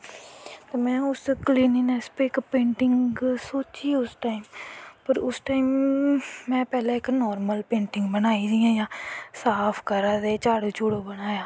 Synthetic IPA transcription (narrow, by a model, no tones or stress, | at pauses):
t̪eːmɛ̃ːʊskliːniːnɛːspɪkpẽːɳʈɪŋɡɡɡsoːt͡ʃiːʊsʈaːiːmpəɾʊsʈaːimː | ɛ̃ːpɛːlãːɪknɔːɾməlpẽːɳʈɪŋɡbənaːiːd̪ijãːjãːsaːpʰkəɾaːd̪eːt͡ʃaːɽt͡ʃʊːɽoːbənaːjãː